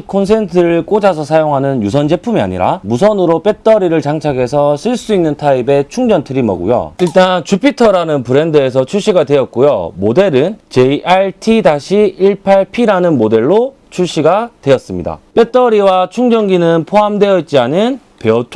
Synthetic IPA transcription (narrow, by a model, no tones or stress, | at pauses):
kʰons̬ʰe̞ntʰɯɾɭk͈od͡ʑas̬ʰʌsʰajoŋɦanɯnjusʰʌnd͡ʑe̞pʰumia̰ɲḭɾa̰mus̬ʰʌnɯɾop͈e̞t͈ʌɾiɾɯɭt͡ɕaŋt͡ɕʰaɡe̞sʰʌsʰɯɭs͈uinːɯntʰaibe̞t͡ɕʰuŋd͡ʑʌntʰɯɾimʌ̰ɡṵjo̰iɭt͈ant͡ɕupʰitʰʌɾanɯnpɯɾe̞ndɯe̞s̬ʰʌt͡ɕʰuɕ͈ʰiɡadwe̞jʌk̚k͈ojomode̞ɾɯnt͡ɕe̞iʔaitʰidaɕʰiiɭpʰaɭpʰiɾanɯnmode̞ɭːo | t͡ɕʰuɕ͈ʰiɡadwe̞ʌs͈ɯmɲḭda̰p͈e̞t͈ʌɾiwat͡ɕʰuŋd͡ʑʌnɡinɯnpʰoɦamdwe̞ʌit̚t͡ɕ͈ianɯn | peʌtʰ